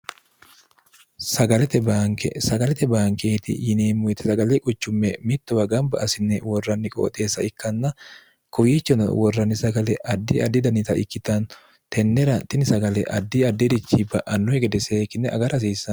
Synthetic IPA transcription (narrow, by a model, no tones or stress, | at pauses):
sɐɡɐlɛt̪ɛbaːŋkɛ̰sɐɡɐlɛt̪ɛbaːŋkeːt̪ɪ̰jɪneːmːʊɪt̪ɪ̥sɐɡɐlɛkʼʊt͡ʃːʊmːɛmɪt̪ːʊwɐɡɐmbɐʔɐsɪnːɛwɔrːɐnːɪkʼo̰ːt̪ʼeːsːɐɪkːɐnːɐ | kʊjiːt͡ʃːɔnɐ̰wɔrːɐnːɪsɐɡɐlɛʔɐd̪ːiɐd̪ːɪd̪ɐnɪt̪ɐʔɪ̰kːɪt̪ɐn | t̪ɛnːɛɾɐt̪ɪnɪsɐɡɐlɛʔɐd̪ːiɐd̪ːɪd̪ɪt͡ʃːibɐʔɐnːɔhɛɡɛd̪ɛseːkːɪnːɛʔɐ̰ɡɐɾɐs̬iːsːɐn